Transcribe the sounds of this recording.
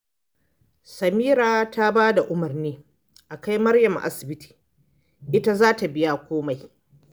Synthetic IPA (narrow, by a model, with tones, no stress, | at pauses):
sɐ˨miː˦ɾaː˨ta˦baː˦da˨ʔʊ˦mɐ˨rniː˦ | ʔa˨ka˦jmɐ˦rjɐ˨mʔa̰˦sɪ˨bɪ˦tʰi̥ː˨ | ʔɪ˦ta˦zaː˦ta˨bɪ˦ja˦kʷoː˦ma˨j